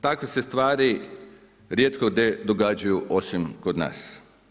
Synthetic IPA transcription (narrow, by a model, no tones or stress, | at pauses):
t̪akʋesest̪ʋaːɾi | ɾjet̪koɡd̪ed̪oɡad͡ʒajuʔo̞simkod̪na̰ːs